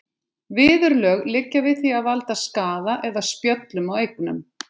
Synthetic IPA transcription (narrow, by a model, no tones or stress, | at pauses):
vɪːðʏɾlœːɣlɪcːavɪðθiaðvalt̪askaːðaʔɛðaspjœt̪lʏmawejknʏ̰m